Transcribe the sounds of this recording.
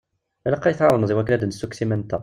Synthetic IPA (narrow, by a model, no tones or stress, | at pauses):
ælæqːæjəθʕaɾˤmzˤiwækːənæd̪ənsːuksimænt̪æ̰